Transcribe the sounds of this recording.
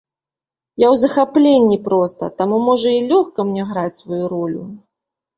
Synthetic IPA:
jawzɐxaplʲenʲːipɾɔst̪ɐ̰t̪amumɔʐɐilʲɔxkɐmnʲɛɣɾat͡sʲsvajuɾɔlʲu

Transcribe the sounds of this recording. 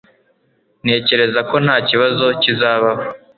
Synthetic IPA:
ne̞ːce̞ɾe̞zako̞n̥haːciβazo̞cizaːβaβo

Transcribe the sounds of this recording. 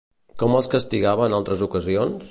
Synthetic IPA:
kɔməlˠskəst̪iɣaβəːnalˠt̪ɾəzukəzionss

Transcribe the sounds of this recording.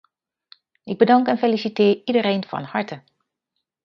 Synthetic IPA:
ɪɡ̚bədaŋkɛnfelisitɪːridəɾeːnfɔ̰nhaɹtʰə

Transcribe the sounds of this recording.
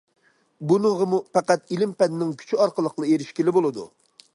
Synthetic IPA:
bunəʁəmupɛqæt̪ilɪmpɛnɪnɪŋkʲʰy̥t͡ʃʰyɑɾqəlˠəqlˠɑeɾɪʃkʲilɪbolˠɨd̪ṵ

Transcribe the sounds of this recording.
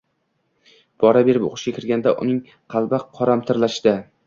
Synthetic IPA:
b̥ɒɾabe̞ɾɪpo̰qʊʃɡʲakʲʰɪɾɡʲand̪aʔʊ̰nɪŋ | qʰɑlˠbaqʰɒɾamt̪ʰɪɾlaʃd̪ɪ

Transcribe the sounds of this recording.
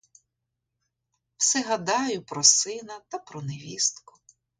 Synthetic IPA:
wsɛɦɐd̪ɑjʊpɾɔsɪnɐt̪ɐpɾɔneʋʲist̪kʊ̥

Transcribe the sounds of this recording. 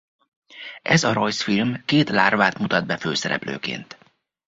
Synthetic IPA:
ʔɛzɒɾojsfilmkeːt̪laːrvaːt̪mut̪ɒd̪̚bɛføːsɛɾɛ̰plø̰ːkḛːnt̪

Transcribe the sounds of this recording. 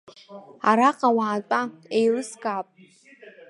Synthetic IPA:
aɾaqʼawaːtʼaejrɨsɡaːpʼ

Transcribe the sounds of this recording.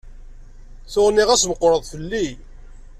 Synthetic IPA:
θʊʁniʁæsvəqːɾəðˤθəlːi

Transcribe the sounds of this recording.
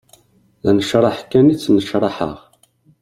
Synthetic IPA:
ænəʃɾˤɑħkænit͡sːnəʃɾˤɑħə̰ʁ

